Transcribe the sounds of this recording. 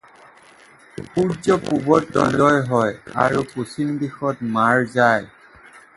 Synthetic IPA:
puɹzɔpubɔtːɔ̰lɔjɦɔja̰ɹupusindixɔtmaɹzaj

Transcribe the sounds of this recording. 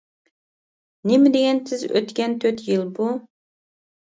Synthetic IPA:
nɪmɪd̪eɡʲɛnsʰɪzø̰t̪kʲɛnt̪ʰøt̪jɨlˠbu

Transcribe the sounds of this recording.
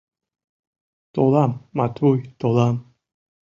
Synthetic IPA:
t̪olamːat̪ʰujt̪olam

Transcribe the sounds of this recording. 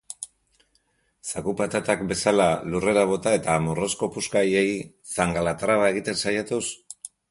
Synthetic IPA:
sakupat̪at̪akbe̞salalure̞ɾaβ̞o̞t̪ae̞t̪amoro̞sko̞puskaje̞j | saŋɡalat̪ɾaβae̞ɣit̪e̞nsajat̪us

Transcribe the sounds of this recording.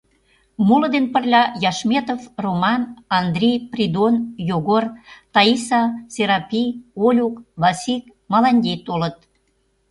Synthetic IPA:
muləd̪enpə̆rlʲɑjɑʃmʲet̪ofromɑnɑnd̪rʲejprʲid̪onjoɣort̪ɑisɑsʲeɾɑpʲijolʲukβɑsʲik̚ | mɑlɑnʲdʲejt̪olət̪

